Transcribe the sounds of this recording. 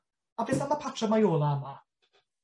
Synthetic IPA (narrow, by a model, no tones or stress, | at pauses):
avɪːsanapʰatʰrəmajoːlˠaəma